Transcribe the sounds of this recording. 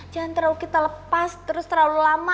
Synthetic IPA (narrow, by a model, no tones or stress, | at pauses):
d͡ʒant̪əɾaukit̪aləpast̪əɾʊst̪əɾalulama